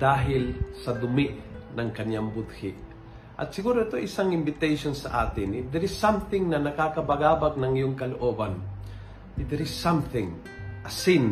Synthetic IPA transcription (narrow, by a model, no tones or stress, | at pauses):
d̪̥aːɦɪlsɐd̪ʊmɪʔnɐŋkɐɲambʊd̪̚hɪʔ | ʔɐ̰t̪̚sɪɡuːɾoɛt̪oʔɪsaŋɪmbɪt̪ɛjʃonsɐ̰ʔa̰ːt̪ɪnɪd̪ɛɾɪsːɐmθɪŋnɐnɐkakɐbɐɡaːbak̚nɐŋɪjoŋkɐloʔoːban | ɪd̪ɛɾɪsːɐmθɪ̃ŋ | ʔɐsɪn